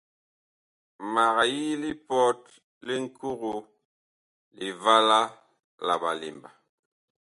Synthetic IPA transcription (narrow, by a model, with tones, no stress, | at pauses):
ma˨ɣa˨ji˦li˦pɔ˦t̚ | li˦ŋ̩˦kʰu˦ɣu˨ | li˨va˦la˦ | la̰˨ba̰˨lḭ˨mba˨